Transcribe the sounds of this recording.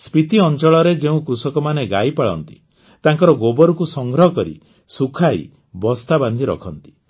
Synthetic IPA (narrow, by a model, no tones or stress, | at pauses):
spit̪iɔnt͡ʃɔɭɔɾed͡ʒeũkɾusɔkɔmaneɡajpaɭɔ̰nt̪i̥̰ | t̪aŋkɔɾɔɡobɔɾukusɔŋɡɾɔɦɔkɔɾḭ | sukʰaḭ | bɔst̪aband̪ʱiɾɔ̰kʰɔnt̪i̥